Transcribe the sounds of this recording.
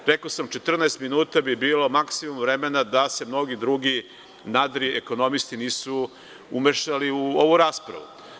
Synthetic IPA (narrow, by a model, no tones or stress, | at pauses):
ɾe̞kosamt͡ʃe̞t̪r̩naest̪minuːt̪abibiːlo̞maksimumvɾemenad̪ase̞mno̞ɡid̪ɾuɡi | nad̪ɾieko̞no̞mist̪iniːsu | umeʃaliuo̞ʋuɾaːspɾa̰ʋṵu